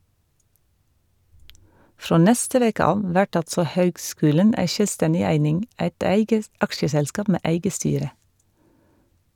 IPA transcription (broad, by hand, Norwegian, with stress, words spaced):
ˈfɾoː ˈnɛstə ˈʋeːkə ˈɑːʋ ˈʋæʈ ˈɑltsɔ ˈhøːɡˌskʉːlən ˈæɪ ˈʃœlˌstɛnɪ ˈæɪnɪŋ ˈæɪt ˈæɪɡə ˈɑkʃəsɛlˌskɑːp ˈmeː ˈʔæɪɡə ˈstyːɾə